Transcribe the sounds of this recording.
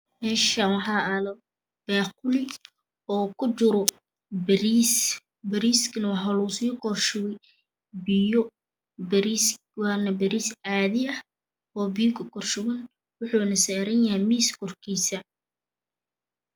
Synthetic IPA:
mɛːʃɐwɑħaːɐlɐ | b̥ɛːqʊlɪ | ɔːkʰʊt͡ʃʊɾɔ | bɐɾis | bɐɾiːskʰɐnɐwɑħalʊʊsiːkɔrʃʊɣɛj | bɪjɔ | bɐɾiːs | wanɐbɐɾiːsaːðɪɐh | ɔːbɪjʊkʰɐkʰɔrʃʊɣɐn | wʊħuːnɐsɛːɾɐnjɐɦɛjmiːskʰɔrkʰiːsɐ

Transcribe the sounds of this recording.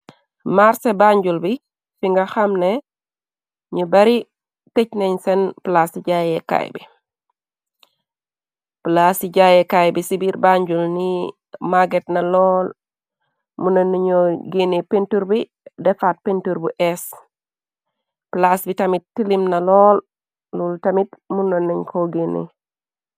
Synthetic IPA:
maɾsebaɲɟulbi | fiŋɡaxamne | ɲubɐɾi | tecneɲsɛnplasiɟajɛka̰jbḭ | plasiɟajɛkajbisibiɾbaɲɟulni | maɡetnalɔl | munoniɲoɡenepentuɾbi | dɛfat̚pentuɾbuʔes | plasbitamit̚tːilimnalɔl | lultamitmunonːiɲkʰoɡenḛ

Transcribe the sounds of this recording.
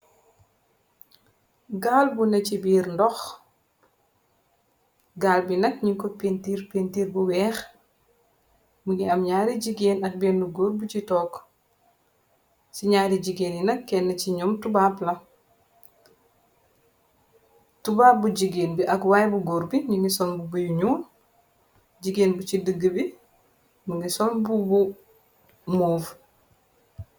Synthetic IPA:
ɡaːlbunɛcibiːɾndɔx | ɡaːlbinɐk̚ɲiŋkɔpentiːɾpentiːɾbuwɛːx | muɡiɐmɲaːɾiɟiɡeːnɐk̚beːnːuɡoːɾbut͡ʃitɔːk | siɲaːɾiɟiɡeːninɐkːɛnːɐt͡ʃiɲɔːmtubaːplɐ | tubaːp̚buɟiɡeːnbiʔɐkwajbuɡoːɾbiɲiŋɡisɔlbubujuɲuːn | d͡ʒiɡeːnbut͡ʃidəɡːəbi | muɡisɔlbubu | muːf

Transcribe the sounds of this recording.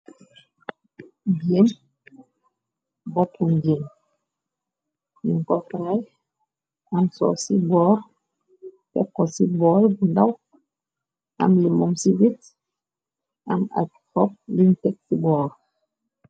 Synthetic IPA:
ɡem | bɔtuŋɡem | niŋkɔfɾaj | amsɔ̰sibɔːɾ | tɛkɔsibɔːlbundaw | a̰mlimɔmsiwit | ama̰thɔp̚lintɛk̚sibɔːɾ

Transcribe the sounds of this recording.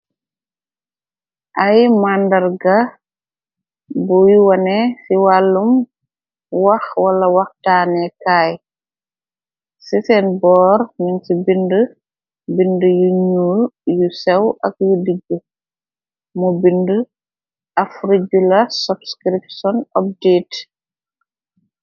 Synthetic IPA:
ʔajmandɐɾɡa | bujiwɐnɛsiwalːum | waxwalɐwaxtaːnɛkaj | sisɛnbɔːɾminsibində | bindəjuɲuljusɛwʔɐk̚judiɡːu | mubində | ʔafɾid͡ʒulɐsubskɾip̚sɔnɔb̚diːt

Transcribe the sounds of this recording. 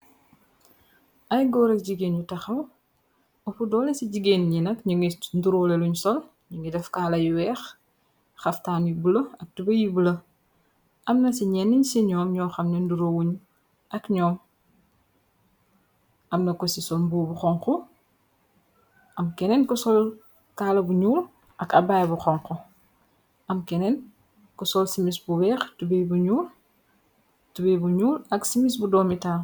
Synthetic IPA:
ʔɐjɡɔːɾɐk̚ɟiɡeːnjutɐxɐw | ɔpudɔːlɛsiɟiɡeːnɲinɐkɲuŋinduɾɔːlɛluɲsɔl | ɲuŋɡidɛfkaːlɐjwɛːx | xɐftaːnjubulɐɐk̚dubɐjiblɐ | ʔɐmnɐsiɲɛnːiɲsiɲɔːmɲɔːxɐmnɛnduɾowuɲ | ʔɐkɲɔːm | ʔɐmnɐkɔsisɔlmbubuxɔŋxɔ | ʔɐmkɛnɛnkɔsɔl | kaːlɐbuɲuːl | ʔɐkɐbaːjbuxɔŋkɔ | ʔɐmkɛnɛn | kɔsɔlsimisbuwɛːxtubɛjbuɲuːl | tubɛjbuɲuːlɐksimisbudɔːmitaː

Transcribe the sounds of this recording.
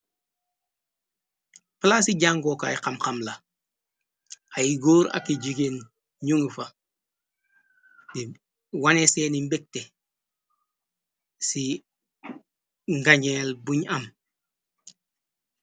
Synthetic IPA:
pəlasiɟaŋɡokaiqamqamla | ajiɡoːɾa̰kiɟiɡen | ɲuŋifa | di | waneseːnimbek̚te | si | ŋɡaɲelbuɲam

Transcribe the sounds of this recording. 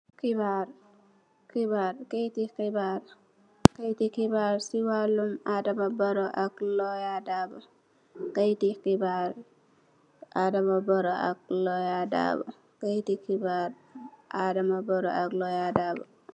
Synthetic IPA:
kibaɾ | kibaːɾkejtikibaɾ | kajtikibaɾsiwalːumaːdamabɔɾɔʔaklɔjadaːba | kajtikibaɾ | ʔaːdamabɔɾɔʔa̰k̚lɔjada̰ba̰ | kajtikibaɾ | ʔaːdamabɔɾɔ̰ʔaklɔjadaːba

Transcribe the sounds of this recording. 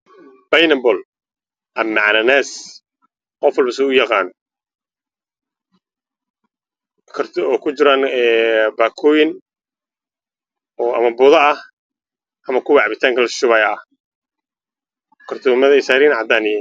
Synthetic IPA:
b̥ɐjnɐbɔl | ʔɐmːɐʕnɐnɛːs | qɔfɔlbɐsɛʊjɑqɑːn | kʰɐrtːkʰʊt͡ʃɪɾaːnɛbaːkʰɔːjɪn | ɔɐ̰mɐbʊðɐɐh | ʔɐmɐkʰʊwɑʕbɪt̪ʰaːŋkʰɐlʃʊβɐjɐɐ | kʰɐrt̪ʰɔːmɐðɐɪsaːɾiːnʕɑd̪aːnɪjɛ

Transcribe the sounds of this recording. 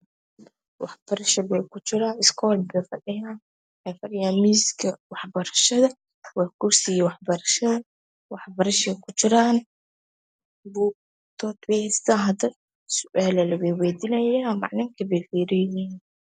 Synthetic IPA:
wɑħb̥ɐɾɐʃɐbɛkʰʊt͡ʃɪɾaːɪskʰɔːlbɛfɐɗɪjaːn | ħɛfɐrjaːmiːskʰɐwɑħbɐɾɐʃɐðɐ | wɑːkʊrsɪɣiwɑħbɐɾɐʃɐðɐ | wɑħbɐɾɐʃɛkʰʊt͡ʃɪɾaːn | buːk̚ | t̪ʰɔt̪wɛhɛst̪ʰaːnɦɐd̪ɐ | sʊʔaːlɐlɐwɛːwɛːd̪ɪnɐjaːmɑ̰ʕnɪŋkʰɐbɛjfiːɾɪjiːn

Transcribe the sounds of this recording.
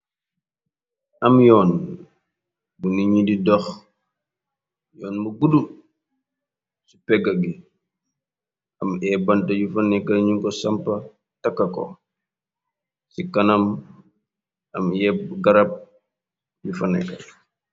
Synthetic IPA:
ʔɐmjɔːn | buniɲididɔx | jɔːnmuɡudu | su̥pɛɡɐɡi | ɐmɛːbɐntɐjufɐnɛkːɐlɲuŋkɔsɐmpɐ | tɐkːɐkɔ̰ | sikɐnɐm | ɐmjɛp̚ɡɐɾɐp̚ | jufɐnɛ̰kːɐ̰l

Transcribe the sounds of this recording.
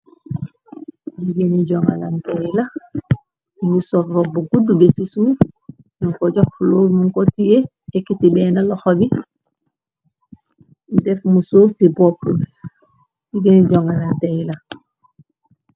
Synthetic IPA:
ɟiɡeniɟoŋa̰la̰ntela | iŋɡisoɾrobuɡudubesisuː | nuŋkoɟɔk̚fuloːɾmuŋkotije | ekitibenaloxobi | ndefmusuːsibopːu | ɟiɡeniɟoŋalantela

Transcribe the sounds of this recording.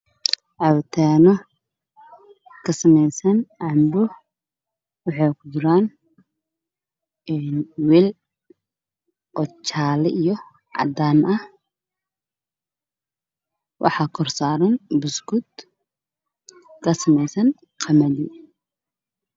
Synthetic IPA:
ʕɑwt̪ʰɛːnɔ | kʰɐsɐmɛjsɐnʕɑmbʊ | wɑħɑjkʰʊd͡ʒɪɾaːn | ɛːnwɛl | ʔɔt͡ʃʰaːlɛʔijɔ | ʕɑ̰d̪aːnʔɐh | wʔɑ̰ħɑːkʰɔrsaːɾɐnbʊsɡʊd̪ | kʰɐsɐmɛjsɐn | qʰɐmɐdḭː

